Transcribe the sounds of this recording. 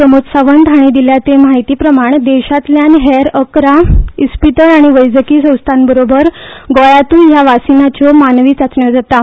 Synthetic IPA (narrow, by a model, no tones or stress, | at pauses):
səmot̪saʋənd̪aɽ̃id̪iljat͡semaɦit̪iːpɾəmaɳd̪ɛɕat̪ljanɦɛɾəkɾaispiʈəɾaɽ̃iʋəjd͡zəkiːsə̃w̃st̪ʰanbəɾobəɾɡɔɭat̪ũːnjaʋasinat͡ɕɔmanʋiːt͡sat͡sɳjɔd͡zat̪a